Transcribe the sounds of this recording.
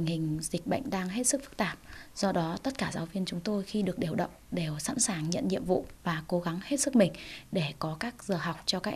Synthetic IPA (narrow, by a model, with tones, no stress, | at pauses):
ï˨˩ŋ̟hï˨˩ŋ̟zï˨˩k̟̚ɓə̰˧˨jŋ̟ɗaː˧ŋɦe˦˥t̚sɨ˦˥k̚fɨ˦˥k̚t̪aː˨˩p̚z̥ɔ˧ɗɔ˨˦t̪ə˦˥t̚kaː˧˩zaː˨˦wvi˧ənt͡ɕʊ˨˦ŋ͡mt̪o˧jxi˧ɗɨ˨˩ək̚ɗe˨˧˩əwɗə̰˧˨wŋ͡mɗe˨˩wsa̰˧˥nsaː˨˩ŋɲə̰˧˨nɲḭ˧˨əmvṵ˧˨vaː˨˩ko˨˦ɣa˨˦ŋhe˦˥t̚sɨ˦˥k̚mï˨˩ŋ̟ɗe˧˩kɔ˨˦kaː˦˥k̚z̥əː˨˩ɦa˨˩wk͡p̚t͡ɕɔ˧kaː˦k̚